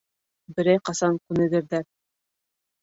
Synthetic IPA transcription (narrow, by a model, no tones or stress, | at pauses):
bɘ̆ɾæjqɑsɑŋkʉnɘ̆ɡɘ̆ɾðæɾ